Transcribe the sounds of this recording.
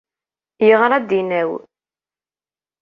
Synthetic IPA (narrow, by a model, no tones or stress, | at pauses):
jəʁɾˤæd̪inæw